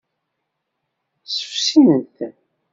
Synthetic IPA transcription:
sə̥fsinənθ

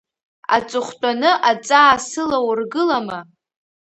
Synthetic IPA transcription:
a̰t͡sʼʊχʷtʷʼanɨʔat͡sʼaːsɨlawrɡɨlama

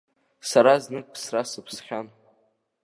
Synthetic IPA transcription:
saɾaznɨk̚ʼpʰsrasɨpʰsχʲan

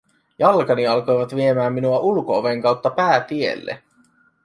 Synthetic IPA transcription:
jɑlkɑniɑlko̞jʋɑt̪ʋie̞mæːmːinuɑʔulkooʋeŋkɑwt̪ːɑpæːt̪iḛlːḛ

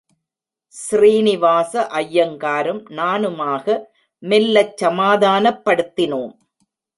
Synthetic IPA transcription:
sriːnɪʋaːsɐʔɐjːɐŋkaːɾɯmnaːnɯmaːɣɐ | mɛlːɐt͡ʃsɐmaːðaːnɐpːɐɽɯt̪ːɪnoːm

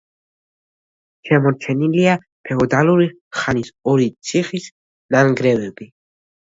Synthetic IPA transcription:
ʃɛmɔɾt͡ʃʰɛnilia | pʰɛɔd̪aluɾi | χanisɔɾit̪sʰiχis | naŋɡɾɛvɛbi

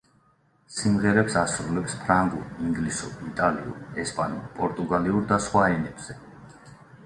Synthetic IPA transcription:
simʁɛɾɛpsasɾulɛpspʰɾaŋɡuɾiŋɡlisṵɾit̪ʼaliṵɾɛspʼanṵɾpʼɔɾt̪ʼuɡaliuɾd̪asχwaɛnɛbz̥ɛ

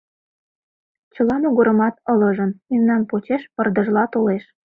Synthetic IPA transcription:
t͡ɕəlɑnuɣəɾə̆mɑt̪ɤləʒənimnɑnpot͡ɕeʃpərd̪əʒlɑt̪oleʃ

